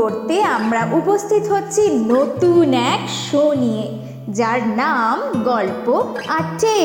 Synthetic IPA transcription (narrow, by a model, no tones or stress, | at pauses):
oɾt̪eamɾaʔupost̪ʰit̪ɦotːɕʰinot̪unɛkʃonije | d͡ʑaɾnamɡɔlpoaʈe